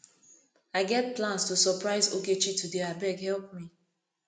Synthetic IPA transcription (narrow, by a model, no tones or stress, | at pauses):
aɪɡɛt̚plãnstusɔpɹaɪzoket͡ʃitudeabɛɡhɛlpmi